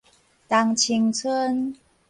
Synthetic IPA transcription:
t̪a˧ŋt͡ɕʰi˧˩ŋt͡sʰə˦n

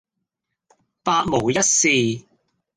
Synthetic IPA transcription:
paː˧t̚mo˨˩wjɐ˥t̚siː˨˧

